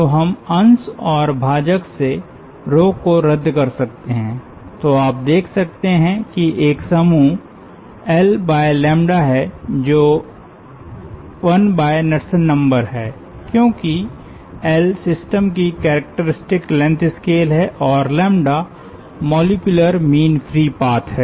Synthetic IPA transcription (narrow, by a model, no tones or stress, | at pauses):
t̪oɦɐmɐ̃nsɔːɾbʱaːd͡ʒəkse | ɾoːkoɾɐd̪ːkɐɾsɐk̚t̪eɦɛ̃ː | t̪oaːp̚d̪eːkʰsɐk̚t̪eɦɛ̃kiʔeːksɐmu | ɛlbaːjlɛ̃ːmɖaɦɛd͡ʒoː | ʋɐnbaːenɐʈsənːɐ̃mbəɾɦɛː | kjõːki | ɛlsɪsʈəmkikɛːɾək̚ʈəɾɪsʈɪklɛ̃nt̪ʰɪskeːlɦɛʔɔːɾlɛ̃ːmɖa | mɔːlɪkjʊləɾmiːnfʰɾiːpaːt̪ɦɛː